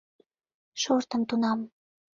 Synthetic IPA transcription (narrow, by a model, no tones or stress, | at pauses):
ʃort̪ə̆mt̪unɑm